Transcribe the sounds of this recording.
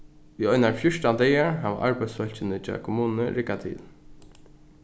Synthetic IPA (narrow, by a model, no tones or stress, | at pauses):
iɔʏnaɹfjʊʂtand̪ɛːjaɹɦaʋa̰ʔaɹpajd̪sfœl̥t͡ɕɪnɪt͡ʃɑ̰ːkʰʊmuːnnəɹɪkːat̪ʰɪ̰ːl